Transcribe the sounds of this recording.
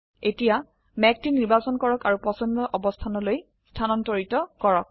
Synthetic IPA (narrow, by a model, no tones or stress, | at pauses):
etija | mɛk̚tiniɹbasɔnkɔɹɔkaɹupɔsɔndɔʔɔbɔstʰanɔloj | stʰanɔntɔɹitɔkɔɹɔk̚